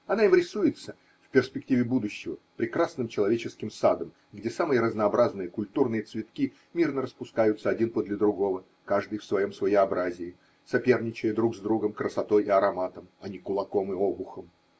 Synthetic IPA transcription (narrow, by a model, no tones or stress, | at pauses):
ɐnaimɾʲɪsujɪt̪sə | fpʲɪrsʲpʲɪk̚tʲivʲɪbud̪ʊɕːɪvəpɾʲɪkɾasnɨmt͡ɕɪlˠɐvʲet͡ɕɪskʲɪmsad̪əm | ɡdʲesamɨjəɾəznəːbɾaznɨjəkʊlʲt̪urnɨjət̪svʲɪt̪̚kʲi | mʲirnəɾəspʊskajʊt̪səɐdʲinpəd̪lʲəd̪ɾʊɡo̞və | kaʐd̪ɨjfsvɐjo̞msvəjɪɐbɾazʲɪː | sɐpʲe̞rnʲɪt͡ɕɪjəd̪ɾuɡzd̪ɾuɡəmkɾəsɐt̪o̞jɪɐɾɐmat̪əmɐnʲɪkʊlˠɐko̞mɨobʊxəm